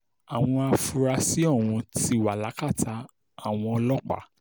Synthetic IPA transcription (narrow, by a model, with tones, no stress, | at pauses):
a˨w̃ɔ̃˧a˧fu˧ɾa˧si˦ɔ˦˨w̃ũ˧ti˦˨wa˨la˨˦ka˦˨tʰa˧ | a˨w̃ɔ̃˧ɔ˧lɔ˦k͡pa̰˨